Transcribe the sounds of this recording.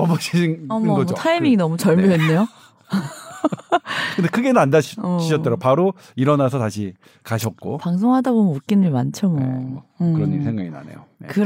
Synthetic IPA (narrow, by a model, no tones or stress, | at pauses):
ʌmʌɕʰinʌmɡʌmd͡ʑotʰajimiŋinʌmut͡ɕʌɭmjoɦenːe̞jo | kɯndekʰɯɡe̞nɯnandaʌiɕʰʌt͈ʌɾopaɾo | iɾʌnas̬ʰʌtaɕʰi | kaɕʰʌt̚k͈o̰paŋs̬ʰoŋɦadabomnok͈inɯɭmant͡ɕʰʌmokɯɾʌnisʰeŋɡaɡina̰ne̞̰joekɯ